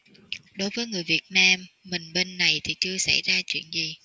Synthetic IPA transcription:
ɗo˨˦jvəː˨˦jŋɨ˨˩əjvi˨˩ət̚naː˧mːï˨˩ŋ̟ɓe˧nːa˨˩jt̪ʰi˨˩t͡ɕɨ˧əsa̰˧˩jzaː˧t͡ɕwḭ˧˨ənzi˨˩

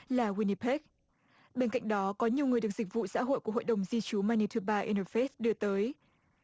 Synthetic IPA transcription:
laː˨˩wi˧ni˧pɛ˦˥k̚ | ɓe˧nka̰˧˨jŋ̟ɗɔ˨˦kɔ˨˦ɲi˨˩əwŋɨ˨˩əjɨ˨˩ək̚zï˨˩k̟̚vṵ˧˨sa̰ː˧˥ɦo̰˧˨jku˧˩əɦo̰˧˨jɗə˨˩wŋ͡mzi˧t͡ɕu˨˦ma˧ni˧t̪ʰɨ˧ɓaː˧ʔḭ˧nə˧fe˦˥sɗɨ˧˩ət̪əː˨˦j

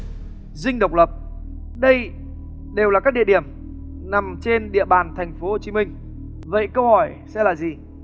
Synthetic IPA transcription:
zï˧ŋ̟ɗə˨˩wk͡p̚lə˨˩p̚ | ɗə˧j | ɗe˨˩wlaː˨˩kaː˦˥k̚ɗḭ˧˨əɗi˧˩əm | na˨˩mt͡ɕe˧nɗḭ˧˨əɓaː˨˩nt̪ʰɛ˨˩jŋ̟fo˨˦ho˨˩t͡ɕi˨˦mï˧ŋ̟ | və̰˧˨jkə˧whɔ˧˩jsɛ̰˧˥laː˨˩zi˨˩

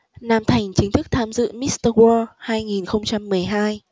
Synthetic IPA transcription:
naː˧mt̪ʰa˨˩jŋ̟t͡ɕï˨˦ŋ̟t̪ʰɨ˦˥k̚t̪ʰaː˧mzɨ̰˧˨mi˦˥t̪ə˧wɔ˧haː˧jŋi˨˩nxə˧wŋ͡mt͡ɕa˧mːɨ˨˩əjɦaː˧j

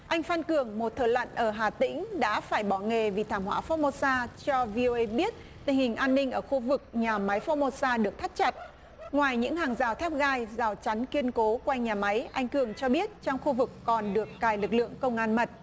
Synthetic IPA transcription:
ʔa˧jŋ̟fa˧nkɨ˨˩əŋmo˨˩t̚t̪ʰəː˨˩jlə̰˧˨nʔəː˧˩ɦaː˨˩t̪ḭ̈˧˥ŋ̟ɗa̰ː˧˥faː˧˩jɓɔ˧˩ŋe˨˩vi˨˩t̪ʰaː˧˩mhwa̰ː˧˥fɔ˧˥mo˧saː˧t͡ɕɔ˧vi˧ʔo˧ʔə˧jɓi˦˥ət̚ | t̪ï˨˩ŋ̟hï˨˩ŋ̟ʔaː˧nːï˧ŋ̟ʔəː˧˩xu˧vɨ˨˩k̚ɲaː˨˩ma˨˦jfɔ˧mo˧saː˧ɗɨ˨˩ək̚t̪ʰt̚t͡ɕa˨˩t̚ | ŋwaː˨˩jɲɨ̰˧˥ŋhaː˨˩ŋzaː˨˩wt̪ʰɛ˦˥p̚ɣaː˧jzaː˨˩wt͡ɕa˨˦nki˧ənko˨˦kwa˧jŋɲaː˨˩ma˨˦jʔa˧jŋ̟kɨ˨˩əŋt͡ɕɔ˧ɓi˦˥ət̚t͡ɕɔ˧wŋ͡mxu˧vɨ˨˩kːɔ˨˩nɗɨ˨˩əkːaː˨˩jlɨ˨˩k̚lɨ̰˧˨əŋkə˧wŋ͡mʔaː˧nmə˨˩t̚

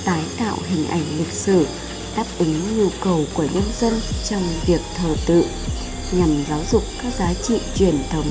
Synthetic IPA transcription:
t̪aː˨˦jt̪a̰ː˧˨wɦï˨˩ŋ̟ʔa˧˩jŋ̟lï˨˩k̟̚sɨ˧˩ | ɗaː˦˥p̚ʔɨ˨˦ŋɲu˧kə˨˩wku˧˩əɲə˧nzə˧nt͡ɕɔ˧wŋ͡mvi˨˩ək̚t̪ʰəː˨˩t̪ɨ̰˧˨ | ɲa˨˩mzaː˨˦wzʊ˨˩k͡p̚kaː˦˥k̚zaː˨˦t͡ɕḭ˧˨t͡ɕwi˧˩ənt̪ʰə˨˦wŋ͡m

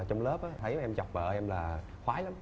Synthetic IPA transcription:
t͡ɕɔ˧ŋ͡mləː˦˥p̚ʔaː˨˦t̪ʰə˨˧˦jʔɛ˧mt͡ɕɔ˨˩wk͡p̚ɓə̰ː˧˩ʔɛ˧mlaː˨˩ | xwaː˨˦jla˨˦m

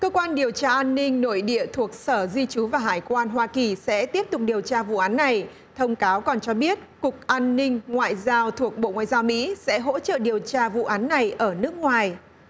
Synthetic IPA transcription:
kəː˧kwaː˧nɗi˨˩əwt͡ɕaː˧ʔaː˧nːï˧ŋ̟no̰˧˨jɗḭ˧˨ət̪ʰu˨˩ək̚səː˧˩zi˧t͡ɕu˨˦vaː˨˩ɦaː˧˩jkwaː˧nɦwaː˧ki˨˩sɛ̰˧˥t̪i˦˥əp̚t̪ʊ˨˩k͡p̚ɗi˨˩əwt͡ɕaː˧vṵ˧˨ʔaː˨˦nːa˨˩j | t̪ʰə˧wŋ͡mkaː˨˦wkɔ˨˩nt͡ɕɔ˧ɓi˦˥ət̚kʊ˨˩k̚ʔaː˧nːï˧ŋ̟ŋwa̰ː˧˨jzaː˧wt̪ʰu˨˩ək̚ɓo̰˧˨ŋwa̰ː˧˨zaː˧wmḭ˧˥sɛ̰˧˥ɦo̰˧˥t͡ɕə̰˧˨ɗi˨˩əwt͡ɕaː˧vṵ˧˨ʔaː˨˦nːa˨˩jʔəː˧˩nɨ˦˥ək̚ŋwaː˨˩j

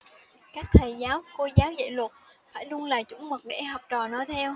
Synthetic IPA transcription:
kaː˦˥k̚t̪ʰə˨˩jzaː˨˦wko˧zaː˨˦wzḛ˧˨lwə˨˩t̚faː˧˩jlu˧əŋlaː˨˩t͡ɕʊ̰˧˥ŋ͡mmə˨˩t̚ɗḛ˧˩ɦɔ˨˩wk͡p̚t͡ɕɔ˨˩nɔ˨˦jt̪ʰɛ˧w

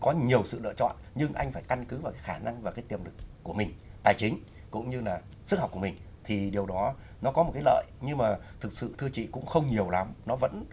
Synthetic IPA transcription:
kɔ˨˦ɲi˨˩əwsɨ̰˧˨lɨ̰˧ət͡ɕɔ̰˧˨nɲɨ˧ŋʔa˧jŋ̟faː˧˩jka˧nkɨ˨˦vaː˨˩wkaː˨˦xaː˧˩na˧ŋvaː˨˩kaː˨˦jt̪i˨˩əmlɨ˨˩kːu˧˩əmï˨˩ŋ̟t̪aː˨˩jt͡ɕï˨˦ŋ̟ | kʊ̰˧˥ŋ͡mɲɨ˧laː˨˩ | sɨ˦˥k̚hk͡p̚ku˧˩˨mï˨˩ŋ̟ | t̪ʰi˨˩ɗi˨˩əwɗɔ˨˦ | nɔ˨˦kɔ˨˦mo˨˩t̚kaː˨˦lə̰ː˧˨jɲɨ˧ŋmaː˨˩t̪ʰɨ˨˩k̚sɨ̰˧˨t̪ʰɨ˧ət͡ɕḭ˧˨kʊ̰˧˥ŋ͡mxə˧wŋ͡mɲi˨˩əwla˨˦mnɔ˨˦və̰˧˥n

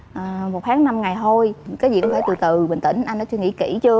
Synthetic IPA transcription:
ʔəː˨˩mo˨˩t̚hʰaː˨˦ŋna˧mŋa˨˩jt̪ʰo˧jkaː˨˦jzi˨˩kɔ˧˦ŋ͡mfaː˧˩t̪ɨ˨˩t̪ɨ˨˩ɓə̈˨˩ŋ̟t̪ḭ̈˧˩˦ŋ̟ʔa˧jnɔ˨˦t͡ɕɨ˧ŋḭ˧˥˦kḭ˧˩t͡ɕɨ˧ə

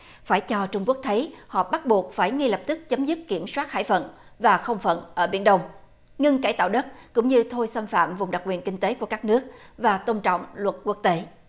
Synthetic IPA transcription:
faː˧˩jt͡ɕɔ˧t͡ɕʊ˧ŋ͡mku˦˥ək̚t̪ʰə˨˦jhɔ̰˧˨ɓa˦˥t̚ɓu˨˩ək̚faː˧˩jŋi˧lə˨˩p̚t̪ɨ˦˥k̚t͡ɕə˨˦mzɨ˦˥t̚ki˧˩əmswaː˦˥t̚ha̰ː˧˩jfə̰˧˨nvaː˨˩xə˧wŋ͡mfə̰˧˨nʔəː˧˩ɓi˧˩ənɗə˧wŋ͡m | ŋɨ˧ŋkaː˧˩jt̪a̰ː˧˨wɗə˦˥t̚kʊ̰˧˥ŋ͡mɲɨ˧t̪ʰo˧jsə˧mfa̰ː˧˨mvʊ˨˩ŋ͡mɗa˨˩k̚wi˨˩ənkï˧ŋ̟t̪e˨˦ku˧˩əkaː˦˥k̚nɨ˦˥ək̚vaː˨˩t̪o˧nt͡ɕɔ̰˧˨wŋ͡mlwə˨˩t̚ku˦˥ək̚t̪e˨˦

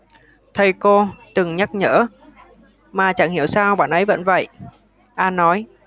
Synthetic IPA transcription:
t̪ʰə˧jko˧t̪ɨ˨˩ŋɲa˦˥t̚ɲə̰ː˧˥ | maː˨˩t͡ɕa̰˧˩ŋhi˧˩əwsaː˧wɓa̰ː˧˨nʔə˨˦jvə̰˧˥nvə̰˧˨j | ʔaː˧nːɔ˨˦j

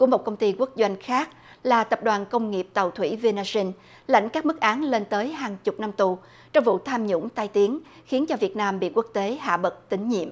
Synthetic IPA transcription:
ku˧˩əmo˨˩t̚kə˧wŋ͡mt̪i˧ku˦˥k̚zwa˧jŋ̟xaː˦˥k̚ | laː˨˩t̪ə˨˩p̚ɗwaː˨˩nkə˧wŋ͡mŋi˨˩əp̚t̪a˨˩wt̪ʰwḭ˧˩vi˧naː˧si˧n | la̰˧˥jŋ̟kaː˦˥k̚mɨ˦˥k̚ʔaː˨˦nle˧nt̪əː˨˦jɦaː˨˩ŋt͡ɕʊ˨˩k͡p̚na˧mt̪u˨˩ | t͡ɕɔ˧wŋ͡mvṵ˧˨t̪ʰaː˧mɲʊ̰˧˥ŋ͡mt̪a˧jt̪i˨˦əŋ | xi˨˦nt͡ɕɔ˧vi˨˩ət̚naː˧mɓḭ˧˨ku˦˥ək̚t̪e˨˦ɦa̰ː˧˨ɓə˨˩t̚t̪ï˨˦ŋ̟ɲḭ˧˨əmʔ

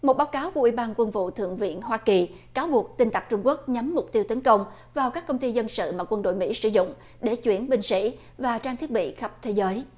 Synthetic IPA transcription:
mo˨˩t̚ɓaː˨˦wkaː˨˦wku˧˩əʔwi˧˩ɓaː˧nkwə˧nvṵ˧˨t̪ʰɨ̰˧˨əŋvḭ˧˨ənhwaː˧ki˨˩ | kaː˨˦wɓu˨˩ək̚t̪ï˧ŋ̟t̪a˨˩k̚t͡ɕʊ˧ŋ͡mku˦˥ək̚ɲa˨˦mːʊ˨˩k͡p̚t̪i˧əwt̪ə˨˦nkə˧wŋ͡m | vaː˨˩wkaː˦˥kːə˧wŋ͡mt̪i˧zə˧nsɨ̰˧˨maː˨˩kwə˧nɗo̰˧˨jmḭ˧˥sɨ̰˧˨zʊ̰˧˨ŋ͡m | ɗe˧˩t͡ɕwi˧˩ənɓï˧ŋ̟sḭ˧˥ | vaː˨˩t͡ɕaː˧t̪ʰi˦˥ət̚ɓḭ˧˨xə˦˥p̚t̪ʰe˨˦zəː˨˦j

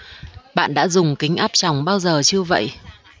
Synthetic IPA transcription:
ɓa̰ː˧˨nɗa̰ː˧˥zʊ˨˩ŋ͡mkï˨˦ŋ̟ʔaː˦˥p̚t͡ɕa˨˩wŋ͡mɓaː˧wzəː˨˩t͡ɕɨ˧əvə̰˧˨jʔ

